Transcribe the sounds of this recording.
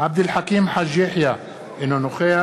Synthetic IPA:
ʕab̚d̪ɪlħakiːmħaʒːiħja | ʔɪnːʊnʊxeː

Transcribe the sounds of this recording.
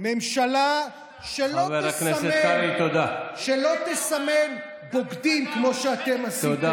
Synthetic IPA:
memʃala | ʃeloeskneaseeait̪od̪aʃelo̞t̪esamen | boɡd̪imkmo̞ʃeat̪emasid̪a

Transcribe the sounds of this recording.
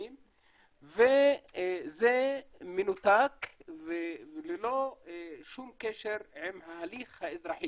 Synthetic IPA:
im | ve | zemenut̪akveleloʃumkeʃeʁʕimhahaliχhaezʁaħi

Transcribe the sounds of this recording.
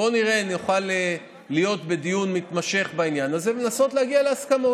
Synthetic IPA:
o̞niʁe̞aniuχaleː | ijo̞t̪be̞d̪ijunmit̪maʃe̞χbainjanazevenaso̞t̪leaɡialeaskamo

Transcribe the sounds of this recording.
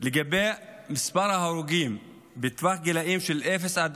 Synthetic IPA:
leɡabemispaɾhahaɾuɡim | bet̪vaχɡilaʔimʃelʔefesʕad̪

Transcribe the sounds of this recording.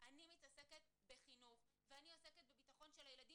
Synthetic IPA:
ʔanimitaseket̪beχinuvveanioseket̪̚bebitaχo̞nʃelajeladi

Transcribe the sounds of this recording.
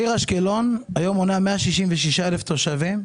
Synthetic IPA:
iʁaʃkelo̞najo̞monameaʃiʃimveʃiʃaeleft̪o̞ʃavim

